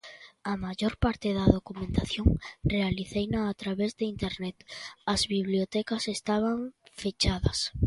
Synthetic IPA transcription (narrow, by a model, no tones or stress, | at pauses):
amaʝoɾpaɾt̪eðɐðokumẽnt̪aθjoŋrealiθejnaːt̪ɾaβezðeint̪eɾnɛt̪ɐzβiβliot̪ɛkasest̪aβ̞aɱfet͡ʃaðɐs